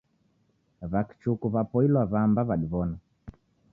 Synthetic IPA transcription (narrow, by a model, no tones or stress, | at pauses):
βaki̥t͡ʃukuβapɔilwaβambaβaɗiβɔna